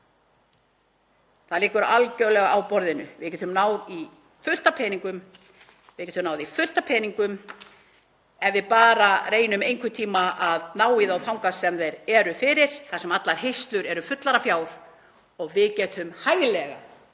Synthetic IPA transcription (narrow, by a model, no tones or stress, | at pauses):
θaðlɪːkʏɾalcœlɛɣaawpɔɾðɪnʏ̰vɪðcɛt̪ʰʏmnaːwði | fʏl̥t̪apʰɛːniŋkʏm | vɪcɛt̪ʰʏmnawðifʏl̥t̪apʰɛːniŋkʏm | ɛnvɪðpaːɾareːjnʏmejŋkʰʏt̪ʰiːmaaðnaːwiðawθawŋkasɛmðɛɾɛɾʏfɪːɾɪɾ̥θasɛmat̪laɾ̥ɦejst̪lʏɾɛɾʏfʏt̪laɾafjaːwɾ̥ | ɔɣvɪðcɛːt̪hʏmhaːjɣlɛɣa̰